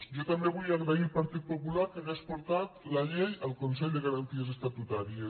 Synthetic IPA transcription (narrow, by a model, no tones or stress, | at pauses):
ʒot̪ambeβ̞ujaɣɾailpaɾt̪it̪̚populaɾkenaspoɾt̪at̪laʎejəlˠkonsɛʎd̪eɣaɾant̪iezest̪at̪ut̪aɾie